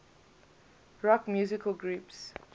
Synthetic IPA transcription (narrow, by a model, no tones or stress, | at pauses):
ɹɔkmjuzɪkʰəlɡɹups